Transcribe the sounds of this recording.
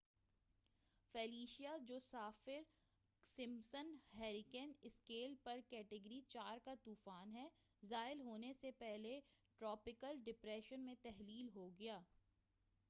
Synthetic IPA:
fɛːliːʃijad͡ʒoːsaːfɪɾ | sɪ̃msənɦɛːɾɪkɛnɪskeːlpɐɾkɛːʈɪɡəɾit͡ʃaːɾkat̪uːfaːnɦɛː | zaːɪlɦoːnesepɛɦleʈɾɔːpɪkəlɖɪpɾɛːʃənmẽt̪ɛɦliːlɦoɡɐjaː

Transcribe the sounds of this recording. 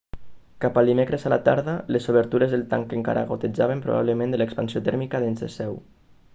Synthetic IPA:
kapəlˠd̪imekɾezalat̪aɾðalesoβ̞əɾt̪uɾezðelˠt̪aŋkeŋka̰ɾʔa̰ɣot̪ed͡ʒaβempɾṵβa̰βlemẽnd̪elekspansiot̪ɛɾmikaðenzðḛsɛw

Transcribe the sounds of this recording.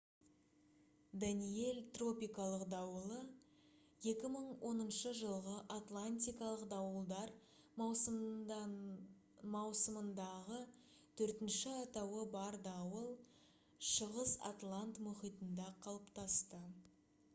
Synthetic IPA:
d̪anije̞lt̪ro̞pʲijkɑlˠəqd̪ɑwəlˠə | je̞kʲɪməɴwʔo̞nənʃəʒəlˠʁəʔat̪lˠanʲt̪ʲijkɑlˠəqd̪ɑwəlˠd̪ɑɾ | mɑwsəmənd̪ɑʁə | t̪ʰɵɾt̪ɪnʃɪɑt̪ɑwəbɑɾd̪ɑwəlˠ | ʃəʁəsa̰t̪lˠant̪mʊχijt̪ənd̪ɑqʰɑlˠəpt̪ɑst̪ə

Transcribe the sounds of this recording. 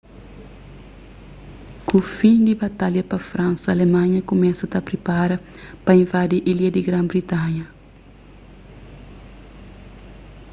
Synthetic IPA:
kufĩd̪ibat̪aljɐpɐfɾãnsɐːlemãɲɐkomɛsɐt̪apɾipaɾɐ | pɐĩvad̪iʔiljɐd̪iɡɾãmbɾit̪ãɲɐ

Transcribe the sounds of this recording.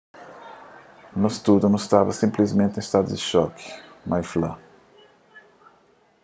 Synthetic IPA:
nost̪ud̪mʊst̪avɐsĩmplizmẽnt̪ẽst̪ad̪ʊd̪ɪʃɔkɪ̥majflɐ

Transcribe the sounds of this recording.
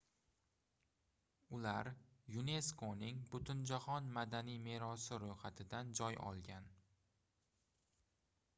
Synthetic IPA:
ʊlaɾjʊne̞skʰonɪŋbʊt̪ʰʊnd͡ʒaχɒnmad̪anijmeɾɒsɪɾojχat̪ʰɪd̪and͡ʒɒjɒ̰lˠɡʲan

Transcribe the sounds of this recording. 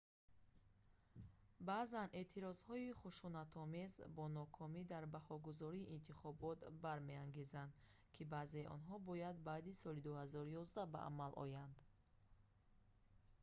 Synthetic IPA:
baːzane̞t̪ʰiɾɔz̥hɔiχuʃunat̪ʰɔmezbɔnɔkʰɔmid̪aɾbahɔɡuzɔɾiːʔːnt̪ʰiχɔbɔt̪baɾme̞aŋɡe̞zand̪ | kʰibaze̞ʔɔ̰nɦɔbɔjad̪̚baːd̪isɔlid̪uhazɔɾujɔzd̪aba̰ʔa̰malʔɔ̰jand̪

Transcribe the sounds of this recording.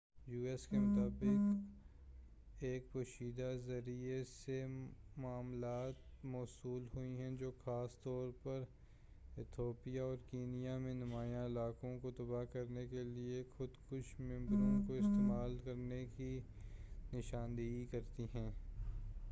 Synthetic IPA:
juːɛskemʊt̪aːbɪk | eːkpoːʃiːd̪azɐɾiesemaːmlaːt̪mɔːsuːlɦʊiɦɛ̃d͡ʒoːxaːst̪ɔːɾpɐɾ | ɪt̪ʰjoːpijaɔːɾkiːnijamẽnʊmaːjãɪlaːkõkot̪ɐbaɦkɐɾnekeliexʊd̪kʊʃmɪ̃mbɾõkoɪst̪eːmaːlkɐɾneki | nɪʃãːnd̪iɡikɐɾt̪iɦɛ̃ː

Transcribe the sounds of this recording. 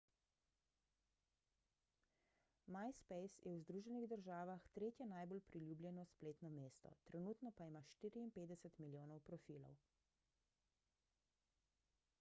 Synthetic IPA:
majspɛjsjʔɛwzd̪ɾuːʒɛniɣd̪əɾʒaːʋaxt̪ɾeːt̪jɛnajbolpɾilʲjublʲjɛnɔspleːt̪nɔmeːst̪ɔ̰t̪ɾɛnut̪nɔpaimaːʃt̪iːɾiːmpeːd̪ɛsɛt̪miljoːnɔwpɾɔfilɔ̰w

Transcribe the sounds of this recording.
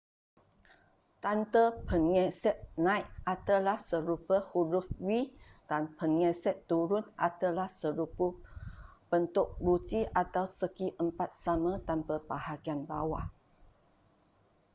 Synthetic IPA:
t̪ant̪əpʰənŋɛsɛt̪̚nãjʔat̪əlahsəɾupəhuɾufwid̥anpʰənŋɛ̃sɛt̪ːuɾʊna̰t̪əlahsəɾupə | b̥ənt̪ʊk̚butiʔat̪awsəkiʔəmpat̪̚samə̃t̪anpəbahaɡianbawah

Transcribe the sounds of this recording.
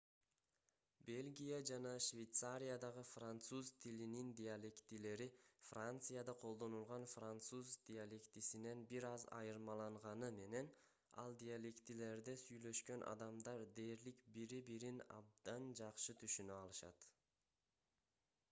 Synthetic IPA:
be̞lʲɡʲijad͡ʒɑnɑʃvʲejt̪saɾʲijad̪ɑʁɯfrant̪suzt̪ʰilinind̪ʲijalʲekt̪ile̞ɾifrant̪sɨjad̪ɑqʰo̞lˠd̪o̞nulˠʁɑnfrant̪suzd̪̥ʲɪalʲekt̪isine̞nbiɾɑzɑ̰jɯɾmɑlˠɑɴʁɑnɯme̞ne̞n | ɑ̰lˠd̪ʲialʲekt̪ile̞ɾd̪esyjlø̞ʃkø̞nʔɑ̰d̪ɑmd̪ɑɾd̪e̞ːɾlikbiɾibiɾinɑ̰b̚d̪ɑnd͡ʒɑqʃɯt̪ʰyʃynøɑlˠɯʃɑ̰t̪

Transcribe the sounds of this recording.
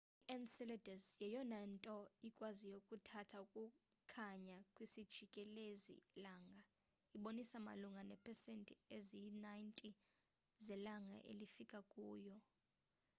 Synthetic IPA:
iʔansɛlɛdasjɛjɔnɛntʼɔikʼwazijokʼutʰatʰaukʼu | kʰaɲakʼwisid̥ʒ̥ʱikʼɛlezḭlaːŋɡʱa | iɓonisama̰luŋɡʱanɛpʰɛsentʼiezinajntʼi | zɛlaŋʱa̰ʔḛlifikʼakʼuːjɔ

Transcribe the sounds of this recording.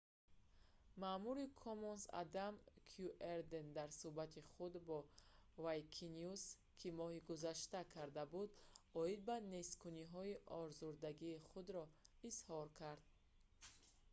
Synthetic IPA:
mamuɾikʰɔmɔnsa̰d̪amkʰjuʔeɾd̪end̪aɾsubat̪ʰiχud̪bɔvajkʰinjus | kʰimɔhiɡuzaʃt̪akʰaɾd̪abud̪ɔid̪̚bane̞skʰuniɦɔiʔɔɾzuɾd̪aɡiːχud̪ɾɔishɔɾkʰaɾd̪̚

